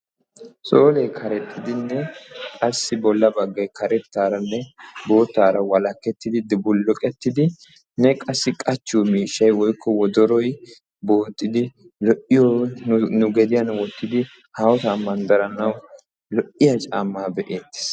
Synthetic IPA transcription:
so̞ːlɛjkʰɐɾɛt̪ʰːɪd̪ɪnːɛkʼɐsːɪbɔlːɐbɐɡːɐjkɐɾɛt̪ːaːɾɐnːɛbo̞ːt̪ːaːɾɐwɐlɐkːɛt̪ːɪd̪ɪd̪ɪbʊlːɔkʼɛt̪ːɪd̪ɪ | nːɛkʼɐsːɪkʼɐt͡ʃːuːmiːʃːɐjwɔjkʰːɔwɔd̪ɔɾɔj | bo̞ːt̪ʼːɪd̪ɪ | lɔʔɪjɔnʊɡɛd̪ɪjɐnwɔt̪ːɪd̪ɪ | haːwɔt̪aːmɐnd̪ɐɾɐnɐw | lɔʔɪjɐt͡ʃʼaːmːaːbɛʔe̞ːt̪ːɪ̥s

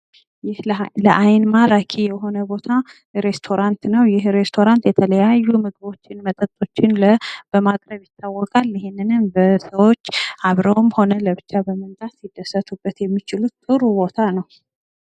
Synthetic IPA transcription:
jɪhləʔajnmaɾakʰijɛɦo̞nəbo̞t̪ʰa | ɾe̞st̪ʰo̞ɾant̪nəwjɪhɾe̞st̪ʰo̞ɾant̪jɛt̪ʰələjajːumɨɡɨβo̞t͡ʃːɪnmət̪ʼət̪ʼo̞t͡ʃːɪnləb̥əmakʼɾəβjɪt̪ːawːɔkʼalɪhenːɨnɨmbəsəwot͡ʃːaβɾəwmho̞nələbɨt͡ʃːabəmənt̪ʼat̪sid̪ːəsət̪ʰubːət̪jɛmːit͡ʃɪlut̪t̪ʼɨɾuβo̞t̪ʰanəw

